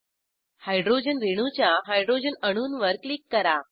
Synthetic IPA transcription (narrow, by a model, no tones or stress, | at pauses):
hajɖɾod͡ʑənɾeɽ̃ut͡ɕjaɦajɖɾod͡ʑənəɽ̃uːnʋəɾklikːəɾa